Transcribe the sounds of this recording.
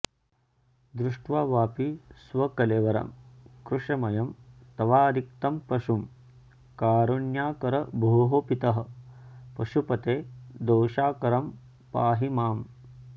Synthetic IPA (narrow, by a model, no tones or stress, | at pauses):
d̪ɾuʂʈʋaːʋaːpisʋɐkɐleːʋɐɾɐ̰mkɾuʂɐmɐjɐmt̪ɐʋaːd̪ik̚t̪ɐmpɐʃum | kaːɾuɳjaːkɐɾɐbʱoːɦopit̪ɐɦɐ̆pɐʃupɐt̪eːd̪oːʃaːkɐɾɐm | paːɦimaːm